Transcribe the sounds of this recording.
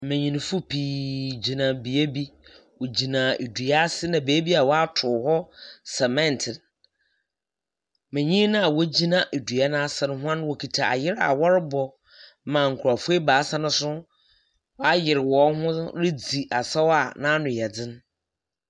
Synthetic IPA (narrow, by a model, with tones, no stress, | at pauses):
mɛ̃˨ɲĩ˨ñ˨fʊ˦pʰiː˨d͡ʑi˨nã˨bi˨e˦bi˦ | wo˨d͡ʑi˨nã˨e˨du˨a˦sɪ˦nã˨be˨˦e˦bi˦a˨wɔ˦a˦tʰʊ˨hɔ˦sɛ˨mɛ̃˦n˨tʰɪ˨n | mɛ̃˨ɲĩ˦nã˦a˨wo˦d͡ʑi˦nã˨ʔe˨du˨a˦nã˦sɛ˨ñ˦ɦʊ˦ã˦n˦wɔ˨kʰi˨tʰa˨a̰˨jɪ˦ɾa̰˨wɔ˦ɾɪ˦bɔ˨ | mã˨ŋ̩˨kʰʊ˨ɾa˨fu˦e˦baː˨˦sa˦nʊ̃˦sʊ̃˦ | a˦jɪ˨ɾɪ˨wɔ˨˦hʊ̃˦ɾɪ˦d͡zi˨ʔa˨sɛ˦wa˨nã˦nʊ̃˨jɛ˨d͡zɪ̃˦n˦